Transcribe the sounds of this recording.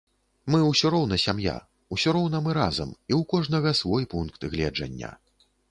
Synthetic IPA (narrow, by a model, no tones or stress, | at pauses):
mɨwsʲɔɾɔwnɐsʲamja̰ | usʲɔɾɔwnɐmɨɾazɐ̰miwkɔʐnɐɣɐsvɔjpunkt̪ɣlʲɛd͡ʐɐ̰nʲːɐ̰